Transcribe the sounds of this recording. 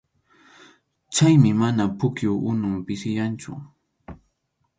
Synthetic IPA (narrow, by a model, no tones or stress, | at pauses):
t͡ʃajmɪmanapʊkjʊwʔʊnʊmpɪsɪjant͡ʃʊ̰